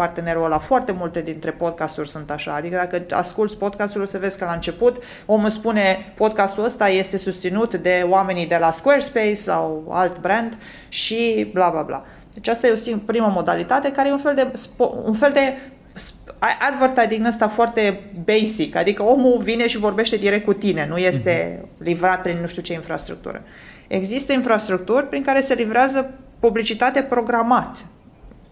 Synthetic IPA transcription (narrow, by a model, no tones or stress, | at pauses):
part̪e̞ne̞ɾolafoart̪e̞mult̪e̞d̪int̪ɾe̞po̞d̪̚kast̪urʲsunt̪aʃa̰ːd̪ikəd̪akəa̰skult̪sʲpo̞d̪̚kast̪ulsəve̞zkəlaɨnt͡ʃe̞put̪ | o̞muspune̞po̞d̪kast̪uəst̪aje̞st̪e̞sust̪sinut̪d̪e̞oame̞nid̪e̞laskwerspejsːa̰wa̰lt̪bɾend̪ | ʃiblablabla̰ | d̪et͡ʃast̪ajeosipɾiməmo̞d̪alit̪at̪e̞kaɾejunfe̞ld̪e̞spoṵnfe̞ld̪e̞ | s | aʔad̪vərt̪ajd̪iŋnəst̪afoart̪e̞bejsika̰d̪ikəo̞muvine̞ʃivo̞rbe̞ʃt̪e̞d̪iɾek̚t̪kut̪ine̞nuje̞st̪e̞livɾat̪̚pɾinnuʃt̪iut͡ʃe̞infɾa̰st̪ɾṵk̚t̪ṵɾə̰ | e̞̰ɡzist̪əinfɾast̪ɾuk̚t̪urʲpɾiŋkaɾe̞se̞livɾeazəpublit͡ʃit̪at̪e̞pɾo̞ɡɾamat̪